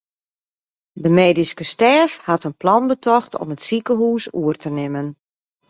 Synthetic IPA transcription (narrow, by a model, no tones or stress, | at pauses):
dəmeːdiskəstɛːfhatənplɑnbətʰɔxtɔ̰mətsikəɦuːsuərtʰənɪmən